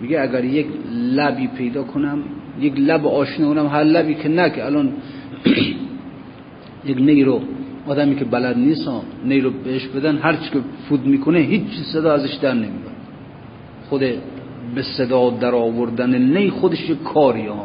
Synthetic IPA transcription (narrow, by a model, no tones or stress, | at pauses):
miɡeæɡæɾjeklæbiːpʰe̞jd̪ɒːkʰonæmjeklæbeɒːʃnokonæmɦæɾlæbiːkʰenækʰeælɒːn | jeknejɾoɒːd̪æmiːkʲʰebælæd̪niːsɒnejɾobeeʃbe̞d̪ænɦæɾt͡ʃʰi̥kʰefud̪miːkʰoneɦiːt͡ʃt͡ʃʰːiːzsed̪ɒːæzeʃd̪æɾnemijɒ̰ɾ | xod̪e | besed̪ɒːd̪æɾɒːvoɾd̪ænenejxod̪eʃjekʰɒːɾiɒː